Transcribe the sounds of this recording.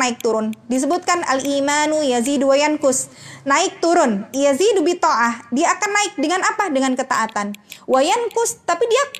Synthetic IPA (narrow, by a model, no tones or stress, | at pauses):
aɪk̚t̪uɾʊndis̬əbut̪̚kana̰limanujaziduwajankʊsnaɪk̚t̪uɾʊnjazidubit̪oʔahdiaːkanːaɪk̚dəŋanapahdəŋankət̪a̰ʔat̪anwajankʊst̪apidia